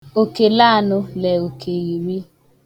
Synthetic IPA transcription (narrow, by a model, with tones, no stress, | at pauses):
o˨ke˨la˦˨nʊ˦lɛ˨o˨kʰe˨ɣi˨wi˦